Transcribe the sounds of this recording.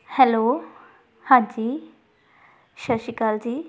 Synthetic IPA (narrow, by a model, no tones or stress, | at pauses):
hɛlo | hãd͡ʑiː | ʃəʃikald͡ʑiː